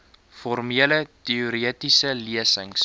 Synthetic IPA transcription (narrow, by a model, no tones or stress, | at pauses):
fɔrmiələtiuɾiətisəliəsəŋs